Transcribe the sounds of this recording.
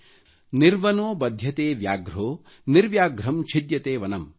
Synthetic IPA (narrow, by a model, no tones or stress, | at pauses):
niɾʋɐnoːbɐd̪ʱjɐt̪eːʋjaːɡɾoː | niɾʋjaːɡɾɐmt͡ʃʰid̪jɐt̪eːʋɐnɐm